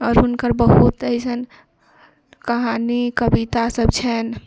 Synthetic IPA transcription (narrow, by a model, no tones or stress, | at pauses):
ɔːɾɦunkəɾbəɦut̪əjsən | kəɦanikəbit̪asəbt͡ʃʰɛn